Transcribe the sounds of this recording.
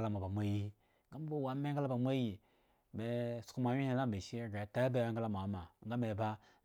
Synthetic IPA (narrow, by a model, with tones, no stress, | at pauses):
la˦ma˨ba˨mʷ˦e˦ji˦ | ŋɡa˦m˦bo˦˨wa˨me˦ɡa˦la˦ba˨mʷ˦e˦ji˨ | me˨su̥˨ku˦ma˨wi˦he˨˦la˦˨be˨ʃi˦ja˦ɡa˨ta˦be˦a˦ŋ˦ɡa˦la˦m˨a˨˦ma˨ŋ˦ɡa˦me˨ba˦